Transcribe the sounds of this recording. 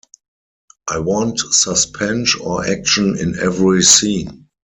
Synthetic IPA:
ʔaɪwɔ̃ntsəspʰɛ̃nʃɔʔækʃə̃nɪ̰̃nɛvɹisĩːn

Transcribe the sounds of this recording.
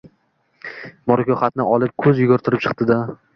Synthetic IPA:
mɒɾkʲʰɒχat̪̚nɪɒlˠɪp̚kʰɵzjʊɡɒɾt̪ʰɪɾɪp̚t͡ʃʰɨ̥qt̪ɪd̪a

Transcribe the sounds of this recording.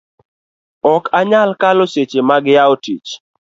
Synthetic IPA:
ɔkaɲalkaloset͡ʃemaɡɪjaotit͡ʃ

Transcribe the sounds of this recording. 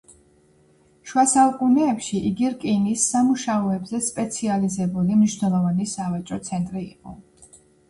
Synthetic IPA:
ʃwasaukʼunɛːpʃiʔiɡiɾkʼinisːamuʃaɔɛbzɛspʼɛt̪sʰializɛbulimniʃnɛlˠɔvanisavat͡ʃʼɔt̪sʰɛnt̪ʼɾiːqʼɔ

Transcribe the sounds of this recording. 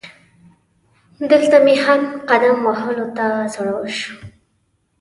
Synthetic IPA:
d̪əlt̪amehamqad̪amwaɦəlot̪azoɽawəʃu̥

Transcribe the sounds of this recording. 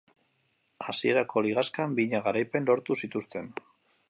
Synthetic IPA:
asie̞ɾako̞liɣaskambiɲaɣaɾajpe̞nlo̞ɾt̪usit̪ust̪e̞n

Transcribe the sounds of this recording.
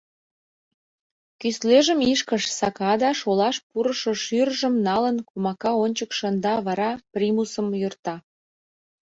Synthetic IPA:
kysleʒəmiʃkəʃsɑkɑd̪ɑʃolɑʃpuɾəʃoʃyrʒəmnɑlənkumɑkɑonʲt͡ɕəkʃənd̪ɑβɑɾɑprʲimusəmjort̪ɑ

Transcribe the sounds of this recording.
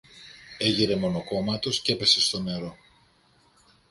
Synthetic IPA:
e̞ʝiɾe̞mo̞no̞ko̞mɐt̪o̞sce̞pe̞se̞st̪o̞ne̞ɾo̞

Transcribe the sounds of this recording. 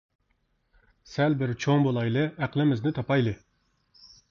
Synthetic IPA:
sælbɪɾt͡ʃʰoŋbolˠɑjlˠɨæqlˠɪmɪznɪt̪ʰɑpɑjlˠɨ

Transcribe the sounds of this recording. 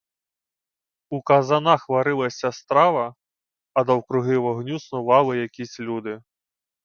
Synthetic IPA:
ukɐzanaxʋaɾɪlˠɐsʲɐst̪ɾaʋɐ | ɐd̪ɐwkɾʊɦɪʋɔɦnʲusnʊʋɑlˠɪjakʲisʲlʲud̪ɪ

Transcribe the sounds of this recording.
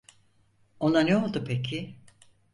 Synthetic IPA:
o̞naneolˠd̪upʰecʰɪ

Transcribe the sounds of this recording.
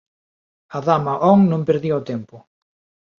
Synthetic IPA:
ɐðamaʔɔŋnõmpeɾðiaot̪ɛmpʊ

